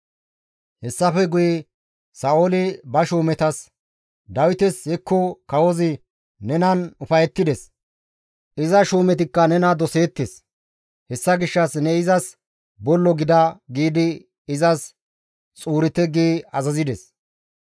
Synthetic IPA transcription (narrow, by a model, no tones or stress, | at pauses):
hɛsːɐfɛɡʊjɛ | sɐːoːlɪbɐʃuːmɛt̪ɐs | d̪ɐwɪt̪ɛsɛkːʊkɐwɔzɪ | nɛnɐnʊfɐjɛt̪ːɪd̪ɛs | ʔɪzɐʃuːmɛt̪̬ɪkːɐnɛnɐd̪ɔse̞ːt̪ːes | hɛsːɐɡɪʃːɐsnɛɪzɐs | bɔlːɔɡɪd̪ɐɡiːd̪ɪ | ɪzɐs | t͡sʼuːɾɪt̪ːɛɡiːɐzɐzɪd̪ɛs